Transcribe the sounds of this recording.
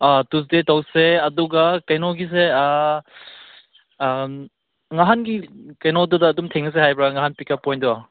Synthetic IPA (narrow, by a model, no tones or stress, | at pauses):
atus̬detawseɐduɡakɐjnɔɡis̬e | ŋaɦanɡikɐjnɔdudɐːdumtʰeŋnɐs̬ehajbɾaŋaɦanpikapɔjndua